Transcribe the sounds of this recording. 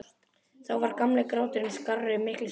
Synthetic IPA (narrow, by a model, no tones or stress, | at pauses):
θawvaɾkamlɛkɾaːwt̪ʏɾɪmskarːʏʏmɪhklɪ